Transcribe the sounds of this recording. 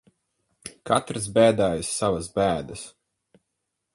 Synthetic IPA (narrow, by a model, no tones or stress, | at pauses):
kat̪ɾɨsbʲæːd̪aːjisːavɐsbʲæːd̪ɐs